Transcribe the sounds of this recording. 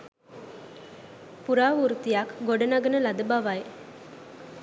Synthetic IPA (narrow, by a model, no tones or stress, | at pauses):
puɾaːʋuɾut̪ijakɡoɖɐnaɡənəlad̪əbaʋaj